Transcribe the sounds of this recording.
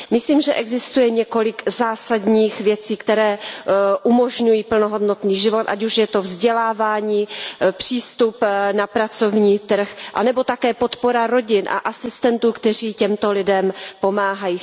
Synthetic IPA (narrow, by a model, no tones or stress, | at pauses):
mɪsliːmʒɛʔɛɡzɪst̪ujɛɲɛko̞lɪɡzaːsad̪ɲiːxvjɛt͡siːkt̪ɛɾɛːʔumoʒɲujiːpl̩noɦodnot̪niːʒɪvo̞t̪ʔa̰cuʃjɛt̪o̞vzɟɛlaːvaːɲiːpr̝̥iːst̪upnapɾat͡so̞vɲiːt̪r̩xʔa̰nɛbo̞t̪akɛːpo̞t̪poɾaɾo̞ɟɪnʔa̰ʔasɪst̪ɛnt̪uːkt̪ɛr̝iːcɛmt̪o̞lɪdɛmpo̞maːɦajiː